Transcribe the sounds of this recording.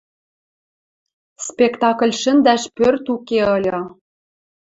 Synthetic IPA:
spʲekt̪ɑkə̆lʲʃɘ̆nd̪æʃpørt̪ukeɤ̆lʲɤ̆

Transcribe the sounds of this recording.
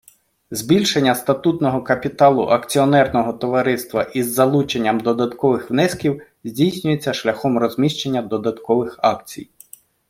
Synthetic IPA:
zbʲilʲʃenʲːɐst̪ɐt̪ut̪nɔɦɔkɐpʲit̪ɑlˠʊ̰ʔɐkt͡sʲiɔnɛrnɔɦɔt̪ɔʋɐɾɪst̪ʋɐʔizːɐlˠut͡ʃenʲːɐmd̪ɔd̪ɐt̪kɔʋɪxʋnɛskʲiw | zʲdʲijsʲnʲʊjet͡sʲːɐʃlʲɐxɔmrɔzʲmʲiʃt͡ʃenʲːɐd̪ɔd̪ɐt̪kɔʋɪxɑkt͡sʲḭj

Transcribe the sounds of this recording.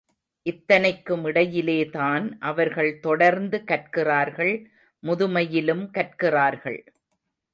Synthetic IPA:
ʔɪt̪ːɐnɐɪkːɯmɪɽɐjɪleːtaːnʔɐʋɐɾɣɐɭt̪ɔɽɐɾnd̪ɯkɐʈ̚kɪraːɾɣɐɭ | mʊðʊmɐjɪlɯmkɐʈ̚kɪraːɾɣɐ̰ɭ

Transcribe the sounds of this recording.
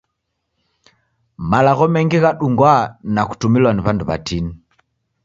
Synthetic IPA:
malaɣɔmɛŋɡiɣaɗuŋɡwanaku̥tumilwaniβanduβa̰tini

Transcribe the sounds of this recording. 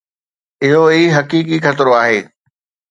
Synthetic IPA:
ɪɦoiɦɐkiːkikxɐt̪ɾoaːɦeː

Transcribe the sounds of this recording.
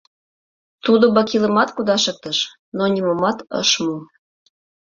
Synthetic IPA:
t̪ud̪obɑkilə̆mɑt̪kud̪ɑʃɤ̆k̚t̪ə̆ʃ | nonʲimomɑt̪ɤ̰ʃmu

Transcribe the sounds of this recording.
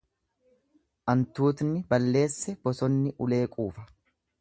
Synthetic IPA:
ʔɐnt̪uːt̪nːɪbɐlːe̞ːsːɛb̥ɔsɔnːɪʔʊle̞ːkʼuːfɐ̥

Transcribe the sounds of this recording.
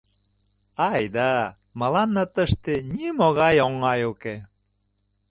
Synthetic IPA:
ɑjd̪ɑ | mə̆lɑnːət̪əʃt̪enimoɣɑjoŋːɑjoke

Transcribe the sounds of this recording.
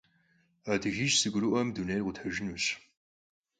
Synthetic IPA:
adɨʒiʒsɨɡʷʊɾɨʔɐmdunejrʁʷʊtħɐʒɪnuɕ

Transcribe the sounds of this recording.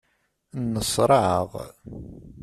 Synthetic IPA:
nːəsˤɾˤɑʕə̰ʁ

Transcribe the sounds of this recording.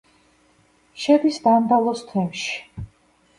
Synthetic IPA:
ʃɛbisb̪and̪alˠɔst̪ʰwɛmʃi̥

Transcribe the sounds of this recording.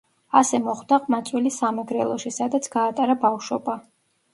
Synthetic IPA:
asɛmɔχd̪aqʼmat̪sʼwilisamɛɡɾɛlˠɔʃisad̪at̪sʰɡ̥aːt̪ʼaɾabafʃɔba

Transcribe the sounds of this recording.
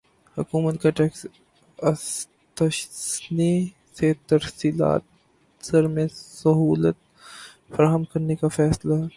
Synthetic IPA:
hʊkuːmət̪kaʈɛːks | ɐs | t̪əʃsni | set̪ɐɾsiːla̰ːt̪̚ | sɐɾmẽsɐɦuːlət̪̚ | fɐɾaːɦəmkɐɾnekafɛːslaɦɛ

